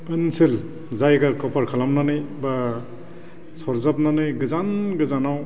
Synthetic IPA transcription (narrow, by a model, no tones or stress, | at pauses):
ɯnsil | zajɡakɔpʰaɾkʰalamnanɯjba | sɔɾzap̚nanɯjɡɯzanɡɯzanaw